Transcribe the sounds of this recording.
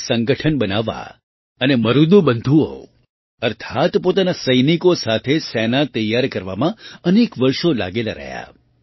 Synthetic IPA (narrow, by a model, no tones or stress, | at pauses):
sə̃ŋɡəʈʰənbənaʋa̰ | əneməɾud̪ũbənd̪ʱuo̰ | əɾt̪ʰat̪pot̪anasəjnikosat̪ʰesɛnat̪əjːaɾkəɾʋa̰mãənekʋəɾʃola̰ɡelaɾə̰ɦja̰